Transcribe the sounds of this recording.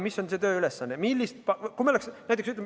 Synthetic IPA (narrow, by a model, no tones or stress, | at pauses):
misonse̞t̪ø̞ːylesːɑnːemilːist̪̚pɑkumeoleksnæjt̪eksyt̪ːˑlem